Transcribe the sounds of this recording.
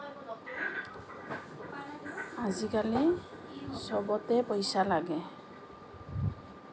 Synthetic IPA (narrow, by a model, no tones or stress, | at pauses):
azikali | sɔbɔt̪ɛpɔjsalaɡɛ